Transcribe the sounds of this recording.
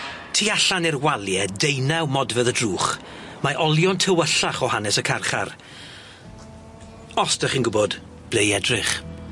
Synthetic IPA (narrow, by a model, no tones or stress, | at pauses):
tʰiːaɬanɪrwalˠjɛdejnawmɔdvəðədruːχ | maʔɔlˠjɔntʰəwəɬaχɔhanɛsəkʰarχa̰r | ɔsd̥aχinɡʊbɔd | b̥lejɛdrɪχ